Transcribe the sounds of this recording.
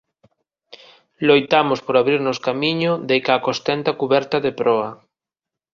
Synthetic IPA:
lojt̪amʊspoɾaβɾiɾnʊskamiɲʊd̪ejkakost̪ɛnt̪akuβɛɾt̪aðepɾɔɐ

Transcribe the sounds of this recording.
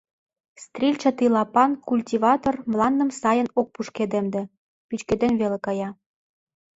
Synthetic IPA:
st̪rʲilʲt͡ɕɑ̆t̪ilˠɑpɑnkulʲtʲivɑt̪ormlˠɑnd̪ə̆msɑjə̆nok̚puʃked̪emd̪ĕ | pyt͡ɕked̪enβelĕkɑjɑ

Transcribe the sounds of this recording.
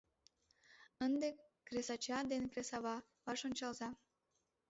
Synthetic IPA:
ənd̪ekɾesɑt͡ɕɑd̪enkɾesɑβɑ | vɑʃonʲt͡ɕɑlzɑ

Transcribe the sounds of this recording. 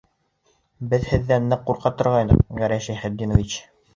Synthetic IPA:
bɘðhɘ̆ðːænːɘqːuɾqɑt̪ɤ̆ɾʁɑjnɤ̰qɡæɾæʃæhɘd̪ːinŏvit͡ɕ

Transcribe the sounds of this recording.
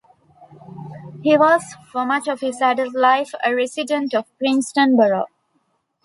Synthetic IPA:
hiːʋɔːzfɔmʌt͡ʃɔʋhɪzæɖəldlaɪfəɾɛsɪɖə̃ɳʈɔʋpɾɪ̃nsʈə̃nbəɾo

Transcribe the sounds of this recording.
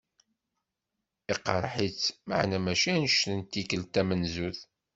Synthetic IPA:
iqːɑɾˤħit͡sːmə̰ʕnæmæʃænʃnənt̪ːikəlt̪æmənzuθ

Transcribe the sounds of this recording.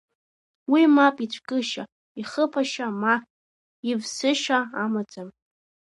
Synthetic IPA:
wimapʼit͡ɕʷʰkʼɨʃa | iχəpʰaʃama | ivsɨʃaamat͡sʼam

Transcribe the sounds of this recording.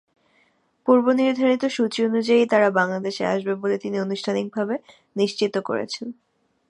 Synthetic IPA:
puɾboniɾd̪ʱaɾ̃it̪oʃut͡ɕionud͡ʑait̪aɾabaŋlad̪eʃea̰ʃbebolet̪inionuʃʈʰanik̚bʱabe | niʃt͡ɕit̪oko̰ɾḛt͡ɕʰen

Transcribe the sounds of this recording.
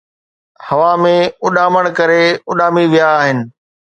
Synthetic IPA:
hɐʋamẽʊɗaːməɽ̃kɐɾeʊɗaːmiʋijaːɦɪnɪ̆

